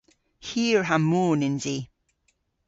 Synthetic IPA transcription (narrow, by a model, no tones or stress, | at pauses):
hiːɹɦamoːnɪ̃nzi